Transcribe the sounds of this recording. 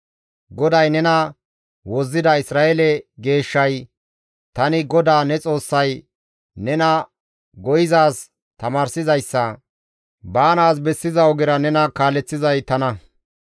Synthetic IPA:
ɡɔd̪ɐjnɛnɐ | wɔzːɪd̪ɐɪsɾaːʔɛlɛɡe̞ːʃːɐj | t̪ɐnɪɡɔd̪aːnɛt͡sʼo̞ːsːɐj | nɛnɐ | ɡɔjɪzaːs | t̪ɐmaːɾsɪzɐjsːɐ | baːnaːs̬bɛsːɪzɐwɔɡɪɾɐnɛnɐkaːlɛt͡sːɪzɐjt̪ɐnɐ

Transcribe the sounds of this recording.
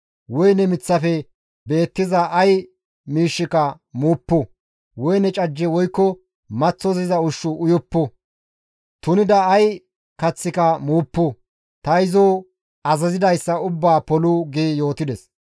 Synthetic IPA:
wɔjnɛmɪt͡sːɐfɛ | be̞ːt̪ːɪzɐɐj | miːʃːɪkɐ | muːpːʊ | wɔjnɛt͡ʃʼɐd͡ʒːɛwɔjkːɔ | mɐt͡sːɔzɪzɐʊʃːʊʔʊjɔpːʊ | t̪ʊnɪd̪ɐːj | kɐt͡sːɪkɐmuːpːʊ | t̪ɐjɪzoː | ɐzɐzɪd̪ɐjsːɐʊbːaːpɔlʊɡeːjo̞ːt̪ɪd̪ɛs

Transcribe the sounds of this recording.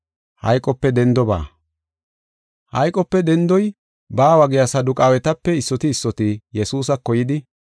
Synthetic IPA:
hɐjkʼɔpːɛd̪ɛnd̪ɔba̰ː | hɐjkʼɔpːɛd̪ɛnd̪ɔj | baːwɐɡɪjasɐd̪ʊkʼaːwɛt̪ɐpːɛɪsːɔt̪ɪːsːɔt̪ijɛsuːs̬ɐkːɔjɪd̪ɪ

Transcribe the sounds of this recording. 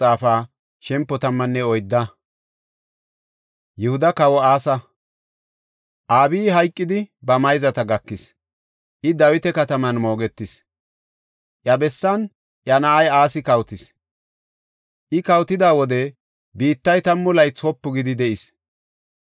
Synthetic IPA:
aːfaː | ʃɛmpːɔt̪ɐmːɐnːɛɔjd̪ːɐ | jɛhʊd̪ɐkɐwɔaːsɐ | ʔaːbiːɦɐjkʼːɪd̪ɪbɐmɐjzɐt̪ɐɡɐkːɪs | ʔɪd̪ɐwɪt̪ɛkɐt̪ɐmɐnmo̞ːɡɛt̪ːɪs | ʔjɐbɛsːɐn | ʔjɐnɐʔɐjaːsɪkɐwt̪ɪs | ʔɪkɐwt̪ɪd̪aːwɔd̪ɛ | biːt̪ːɐjt̪ɐmːʊlɐjt͡sɔpːʊɡɪd̪ɪd̪ɛʔɪs

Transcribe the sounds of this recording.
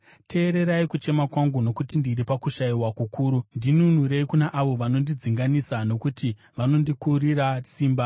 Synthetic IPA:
tʰe̞ːɾe̞ɾaikut͡ʃe̞makwaŋɡuno̞kutindiɾipakuʃaiwakukʰuːɾundinunuɾe̞ikunaʔaʋo̞ʋano̞ndid͡ziŋɡanisano̞kuti | ʋano̞ndikuɾiɾasiːmba

